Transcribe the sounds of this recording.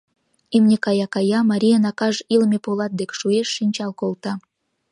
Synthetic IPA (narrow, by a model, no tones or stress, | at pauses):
emnʲekɑjɑkɑjɑmɑɾʲijənɑkɑʒilmʲepolɑt̪̚d̪ekʲʃueʃːinʲt͡ɕɑlkolˠt̪ɑ